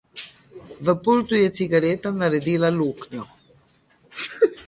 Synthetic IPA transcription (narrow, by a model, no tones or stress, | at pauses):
ʋəpult̪ujɛt̪siɡaɾɛːt̪anaɾɛd̪iːlaluːknjɔ